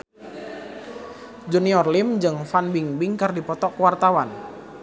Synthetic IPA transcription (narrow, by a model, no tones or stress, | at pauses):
d͡ʒuniɔrlɪmd͡ʒɨŋfanbiŋbɪŋkɨrdipɔt̪ɔkwart̪awan